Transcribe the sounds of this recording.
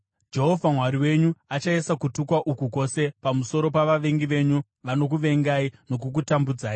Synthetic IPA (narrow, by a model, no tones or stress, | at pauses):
d͡ʒe̞ɦo̞vʱamwaɾiwe̞ɲuat͡ʃaesakutukwaʔukuko̞se̞pamuso̞ɾo̞paʋaʋe̞ŋɡiʋe̞ɲu | ʋano̞k̬uʋe̞ŋɡaino̞k̬uk̬utambud͡zaːji